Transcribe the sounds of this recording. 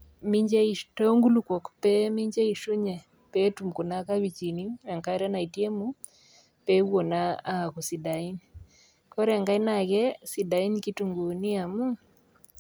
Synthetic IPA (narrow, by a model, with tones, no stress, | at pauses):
mi˦ɲd͡ʒe˦i˨ʃto˦ŋɡu˦lu˦kɔ˨kpɛ˦mi˦ɲd͡ʒɛ˦i˨ʃu˦ɲe˨ | pe˦tu˨mku˨na˦ka˦wi˨t͡ʃi˨ni˦ɛ˨ŋka˦ɾɛ˦na˨i˨tje˦mu˦ | pe˦wo˨na˦a˦˨ku˨si˨da˨i˦n | kɔ˦ɾɛ˨ŋɡa˦i˦na˨kɛ˦si˨da˨i˦nki˦tu˨ŋɡu˨ni˦a˨mu˦